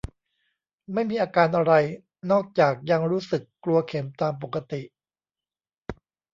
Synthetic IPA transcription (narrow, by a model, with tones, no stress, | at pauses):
ma˥˩jmiː˧ʔaː˧kaː˧nʔa˧ɾa˧j | nɔː˥˩k̚t͡ɕaː˨˩k̚ja˧ŋɾuː˦˥sɯ˨˩kːlu˧ɐkʰe˩˦mt̪aː˧mp̬o˨˩kːa˧t̪i˨˩ʔ